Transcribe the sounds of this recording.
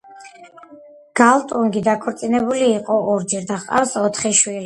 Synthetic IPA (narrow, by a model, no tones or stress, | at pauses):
ɡ̥alˠt̪ʼuŋɡid̪akʰɔɾt̪sʼinɛbuliːqʼɔɔɾd͡ʒɛɾd̪aχqʼa̰fsɔt̪ʰχiʃwi